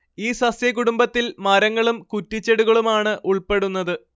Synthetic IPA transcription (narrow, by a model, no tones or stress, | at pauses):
iːsɐsjɐkuɽumbɐt̪ːilmɐɾɐŋːɐɭumkutːit͡ɕːeɽuɣɐɭumaːɳɨʔuɭpe̞ɽunːɐðɨ